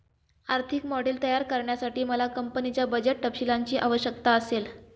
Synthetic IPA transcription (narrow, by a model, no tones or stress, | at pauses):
aɾt̪ʰikmɔɽilt̪əjaɾkəɾɳjasaʈiːməlakəmpənit͡ɕjabəd͡ʑeʈ̚ʈəpɕilaɲt͡ɕiːʔaʋəɕjək̚t̪aəsel